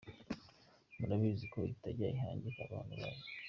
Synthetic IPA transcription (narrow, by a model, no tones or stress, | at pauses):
munaβiziko̞itaɾɟaiɦaːɲɟekaβaːnhuβa̰βo